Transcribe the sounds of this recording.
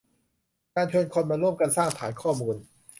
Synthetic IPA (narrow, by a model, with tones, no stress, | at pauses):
kaː˧nt͡ɕʰɤː˧nkʰo˧nmaː˧ɾu˥˩əmka˧nsaː˥˩ŋt̪ʰa̰ː˩˦nkʰɔː˥˩muː˧n